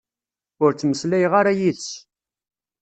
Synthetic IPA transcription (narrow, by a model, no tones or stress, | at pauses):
ʊɾt͡sːməslæjʁaɾajiðəs